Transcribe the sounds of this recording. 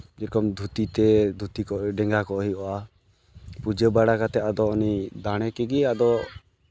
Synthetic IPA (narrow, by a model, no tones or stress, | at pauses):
d͡ʒiɾkɔmd̪ʱut̪it̪ɛd̪ʱut̪ikɔʔɖɛŋɡakɔʔɦiɔʔa | pud͡ʒəbaɽakat̪ɛad̪ɔːnid̪aɽ̃ɛkɛɡiad̪ɔ